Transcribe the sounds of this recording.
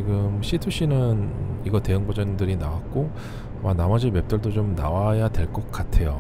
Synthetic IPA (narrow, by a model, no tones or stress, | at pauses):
t͡ɕiɡɯmɕ͈ʰitʰuɕ͈inɯniɡʌte̞jɯŋbʌd͡ʑʌndɯɾinawak̚k͈o | manamʌd͡ʑiɭme̞p̚t͈ʌɭdot͡ɕomnawajadwe̞ɭk͈ʌk̚k͈atʰe̞jo̰